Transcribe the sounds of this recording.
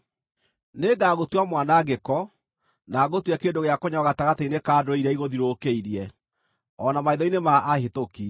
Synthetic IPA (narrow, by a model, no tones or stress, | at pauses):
neɡaːɣotwamwanaɡekɔ | naɣotwɛkeːdoɣeakoɲaɔɣataɣateinekaːdoeiɾɛiɣoðiɾokeiɾiɛ | ɔnamaiðɔinemaʔːhetoki